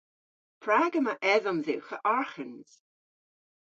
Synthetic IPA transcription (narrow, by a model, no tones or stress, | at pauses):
pʰɹaɡəmaʔɛðɔmðɪwxəʔaɹxənz̥